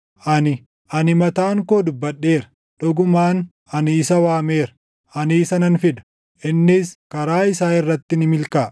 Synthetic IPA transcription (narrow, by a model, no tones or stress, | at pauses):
ʔɐnɪ | ʔɐnɪmɐt̪aːŋkoːd̪ʊbːɐɗːe̞ːɾɐ̥ | ᶑɔɡʊmaːn | ɐnɪːsɐwaːme̞ːɾɐ̥ | ʔɐnɪːsɐnɐnfɪd̪ɐ̥ | ʔɪnːɪskɐɾaːɪsaːɪrːɐt̪ːɪnɪmɪlkaː